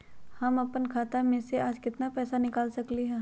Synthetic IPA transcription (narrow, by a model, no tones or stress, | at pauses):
hɐmɐpənkʰaːt̪amẽseaːd͡ʒkɪt̪napɛːsanɪkaːlsɐkliɦɛ̃ː